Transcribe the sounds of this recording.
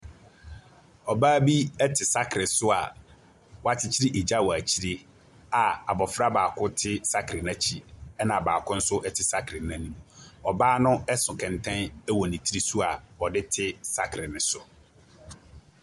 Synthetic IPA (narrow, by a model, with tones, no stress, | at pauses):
ɔ˨baː˦bi˦ɛ˦tʰɪ˨sa˦kʰɾɪ˨sʊ˦a˨ | wɔ˦a˦t͡ɕʰɪ˦t͡ɕʰi˦ɾɪ˦ʔe˨d͡ʑa˦˨wɔ˨æ˨t͡ɕʰi˦ɾɪ˦ | a˨a˨bɔ˨fɾa˦baː˨kʰʊ˦tʰɪ˦sa˦kʰɾɪ˨nã˦t͡ɕʰi˨ɛ˦nã˨baː˨kʰʊ̃˦n̩˦sʊ˦ʔɛ˦˨tʰɪ˨sa˦kʰɾɪ˨˦nã˨nĩ˦m̃˨ɔ˨baː˦nʊ̃˦ɛ˦sʊ̃˨kʰɛ̃˨n˨tʰɛ̃˦nɛ˦wɔ˨nĩ˨tʰi˦ɾi˦sʊ˦a˨ɔ˨dɪ˦tʰɪ˦sa˦kʰɾɪ˨nɪ̃˨sʊ˨